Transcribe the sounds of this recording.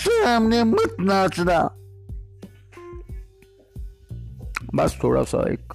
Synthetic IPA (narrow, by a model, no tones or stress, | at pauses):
seamnemət̪naːt͡sna | bɐst̪ʰoːɽa̰sa̰ḛk